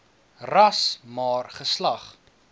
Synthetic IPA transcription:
rɐsmɑːrχəslɐχ

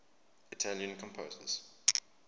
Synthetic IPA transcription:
itʰaljə̃nkʰɔ̃mpʰoːzə̰z̥

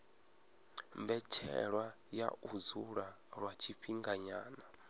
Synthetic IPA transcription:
mbɛt͡ʃʰɛ̰ɺwa | ja̰uzuɺa | ɺwat͡ʃʰiɸiŋɡaɲaːna

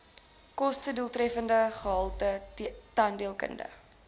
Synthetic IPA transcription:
kɔstəduəlˠtrɛfəndəχəɦɐlˠtətɐndiəlˠkə̰ndə̰

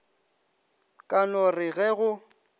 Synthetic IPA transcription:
kʼanɔrɪɣɛɣʊ

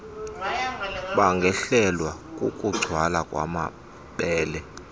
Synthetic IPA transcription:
ɓaŋɡʱɛɬɛlwakʼukʼuɡ͡ǀ̥ʱwalakʼwa̰ma̰ | ɓɛːlɛ

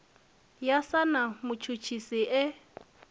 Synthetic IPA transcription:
jasanamʊt͡ʃʰut͡ʃʰisiʔɪ

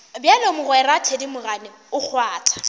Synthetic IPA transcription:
bjalomʊɣwɛratʰedimʊɣanɪ | ʊk͡xʰwaːtʰḁ

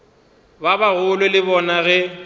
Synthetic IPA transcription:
babaɣʊlʊlɪbɔnaɣɛ

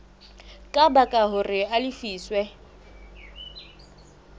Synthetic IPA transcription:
kʼabakʼaɦʊrɪalɪfiːswɛ

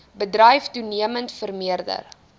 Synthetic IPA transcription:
bədrɛjftuniəməntfərmiərdə̰r

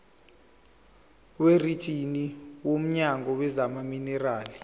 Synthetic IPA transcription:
weritʰʼiniwom̩ɲaŋɔwɛzamaminɛraːli

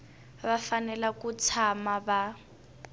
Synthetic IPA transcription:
βafanɛlakut͡sʰamaba

